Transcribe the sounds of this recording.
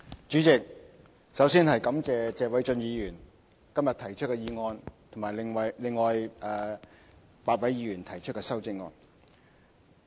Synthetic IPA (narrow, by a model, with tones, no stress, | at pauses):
t͡ʃyː˨˥t͡sɪ˨k̚ | sɐ˨˥wsiː˥nhɐ˨jkɐ˨˥mt͡sɛː˨t͡sɛː˧wɐ˨˥jt͡ʃɵ˧njiː˨˧jyː˨˩n | kɐ˥mjɐ˨t̪ʰɐ˨˩jt͡ʃʰɵ˥kɛː˧jiː˧ŋɔː˧nt̪ʰo˨˩maː˨˩lɪ˨ŋwɐ˨jlɪ˨ŋːɔː˨jʔɛː˨˧ | paː˨˧t̚wɐ˨˥jiː˨˧jyː˨˩nt̪ʰɐ˨˩jt͡ʃʰɵ˥kɛː˧sɐ˥wt͡sɪ˥ŋ̚ɔ̰ː˧n